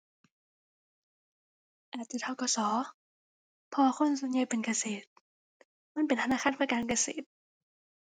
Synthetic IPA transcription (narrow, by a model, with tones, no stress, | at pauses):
ʔaː˨˩t͡ɕ̪iː˧˩t̪ʰa˧˩wkɔː˧˩sɔː˨˩˦ | pʰɔ˧wa˧kʰo˧˥˨nsu˨˦nɲja˧˩˨pe˨nka˧seː˨˩t̪̚ | ma˧˥˨npe˨nt̪ʰa˧naː˧˨xʰaː˧˥˨npʰa˧˩kaː˨˧˨nka˧seː˨˩t̪̚